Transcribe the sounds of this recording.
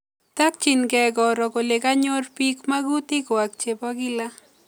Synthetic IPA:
t̪ak̚t͡ʃinkɛkɔɾɔkolekaɲorpikmaɡut̪ikwak̚t͡ʃepaɡila

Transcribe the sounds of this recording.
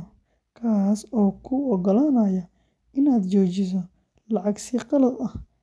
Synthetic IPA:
kʰaːsɔːkʰʊɔɡɔlaːnɐjɐ | ɪnaːd̪t͡ʃɔːt͡ʃɪs̬ɔ | lɑʕɑɡsiːqɑlɐdɐh

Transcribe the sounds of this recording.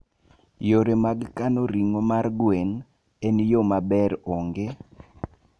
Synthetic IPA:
joɾemaɡkanoɾiŋomarɡwen | enjomabɛɾoŋɡe

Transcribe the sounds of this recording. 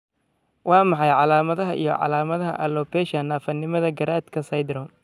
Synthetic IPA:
wɑːmɑħɑjʕɑlaːmɐðɐɦɐʔḭjɔ̰ʕɑ̰laːmɐðɐɦɐ̰ʔɐlɔːpɛːʃɐnːaːfɐnːɪmɐðɐɡɐɾaːd̪kʰɐsɐjd̪ɾɔm

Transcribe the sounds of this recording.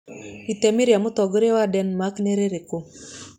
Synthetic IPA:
it̪emiɾjamʊt̪ɔɡoɾewadɛnmakneɾeɾeko

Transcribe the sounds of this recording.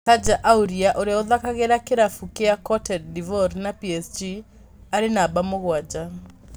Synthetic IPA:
kad͡ʒaʔauɾiaʔoɾeɔðakaɣeɾakɪɾafukeakɔtʰɛddivɔɾnapiɛsd͡ʒi | aɾɪnabamoɣwad͡ʒa

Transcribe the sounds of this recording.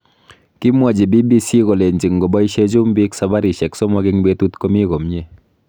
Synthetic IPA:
kimad͡ʒebibisiɣɔlend͡ʒɯŋɡɔbajʃed͡ʒumbiksabaɾiʃɛksɔmaɡiŋbet̪ut̪kɔmiɡɔmɲe

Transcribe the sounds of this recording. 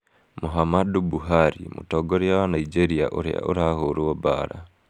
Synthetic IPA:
muɦamadubuɦaɾḭmṵtoɡoɾiawanaid͡ʒeɾiaʔoɾḭa̰ʔoɾahoɾuoba̰ːɾa̰

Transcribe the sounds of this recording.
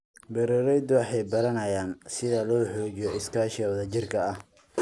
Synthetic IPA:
bɛɾɛɾɛjd̪ʊwɑħɑjbɐɾɐnɐjaːnsɪðɐlɔːħɔːd͡ʒɪjɔɪskʰaːʃɔwðɐt͡ʃɪrkʰɐɐh

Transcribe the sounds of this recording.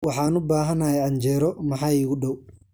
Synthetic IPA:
wɑħɑːnʊbaːɦɐnajɛʕɐɲd͡ʒɛːɾɔmɐħɑːɪɣʊɖɔw

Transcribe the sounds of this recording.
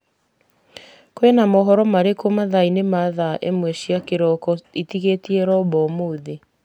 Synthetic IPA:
koenamɔɦɔɾɔmaɾekomaðainemaðaʔḛmwɛʃiakeɾɔkɔitiɣetiɛɾɔbɔmoːðe

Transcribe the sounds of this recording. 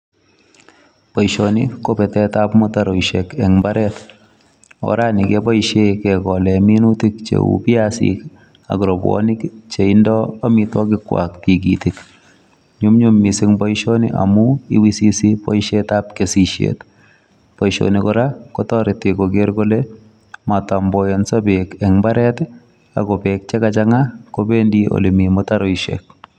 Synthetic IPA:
pɔjʃonḭkopɛtɛtapmɔtaɾɔjʃekɛŋbaɾɛt | ɔ̰ɾanɪkepɔjʃekɛkɔlɛminutik̚t͡ʃḛṵpiasḭk | a̰ɡɾɔbwɔ̰nikt͡ʃeɪndɔamɪtwɔk̬ɪkwa̰kkiɡitik | ɲʊmɲumːisɪŋbɔjʃonḭʔa̰muḭwisisipɔʃetap̚kesiʃjḛt | pɔjʃo̰nikɔɾakɔtɔɾɪtɪkoɡeɾɡole | matambɔjɔnsabekɛŋmbaɾɛt | a̰kɔpɛk̚t͡ʃɛkat͡ʃaŋakobendio̰limimɔtaɾɔiʃḛk̚

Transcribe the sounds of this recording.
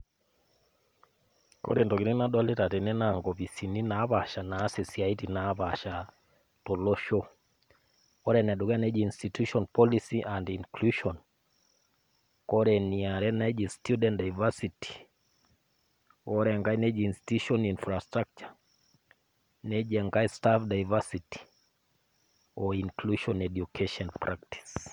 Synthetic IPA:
ko̰ɾendɔkiɾinaɗɔletatenɛnaŋɡɔβisininaβaʃanaːsesiaitinaβaʃa | toloʃo | kɔɾɛnɛdukanɛd͡ʒiːnstituʃɔnpɔlisiʔandinkluʃɔn | kɔɾɛniaɾɛnɛd͡ʒestʰjudɛ̃ntdajvasitʰi̥ | kɔɾɛŋɡainɛd͡ʒinsi̥tuʃɔninfɾastɾak̚t͡ʃa | nɛd͡ʒɛŋɡaistafdajvasiti̥ | ɔiŋkluʃɔnɛdjukʰeʃɔnpɾak̚ti̥s

